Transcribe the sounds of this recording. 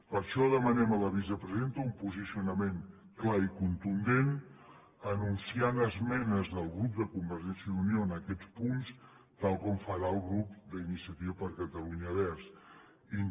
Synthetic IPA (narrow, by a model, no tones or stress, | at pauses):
pəɾʃɔðəmənɛmələβizəpɾəziðent̪əumpuzisiunəmeŋ | klaikunt̪und̪en | ənunsianəzmɛnəzðəlˠɣɾup̚d̪əkumbəɾʒɛnsiəðunioənəkɛt͡spuns | t̪alˠkɔmfəɾaəlˠɣɾupd̪əinisiət̪iβəpəɾkət̪əluɲəβɛɾs | in